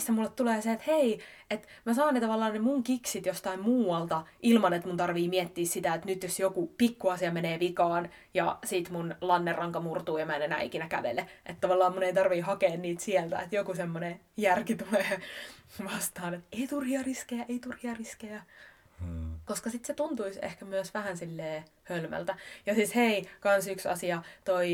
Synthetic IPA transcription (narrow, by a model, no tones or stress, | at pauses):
sːæmulːet̪t̪uleːseet̪hei | et̪ | mæsɑːnːet̪ɑʋɑlːˑɑːnnemuŋkiksit̪jost̪ɑimmuːwɑlt̪ɑʔilmɑnet̪munt̪ɑrʋiːmiɛt̪ːiːssit̪æet̪nyt̪josjokupikːuɑsiɑmeneːʋikɑːn | jɑsiˑt̪munlɑnːerːɑŋkɑmurt̪uːjɑmænenæ̰ːḭkinækæ̰ʋḛleʔet̪t̪ɑʋɑlːɑːmmuneit̪ɑrʋiːhɑkeːnniːt̪siɛlt̪æ̰et̪jokusemːone | jærkit̪uleː | ʋɑst̪ɑːnet̪eit̪urhiɑriskejæʔeit̪urhiɑriskejæ | koskɑsit̪set̪unt̪uisḛhkæmyøsʋæhænsilːeː | hølmæ̰lt̪æjɑsisheikɑnsyksɑ̰siɑt̪oi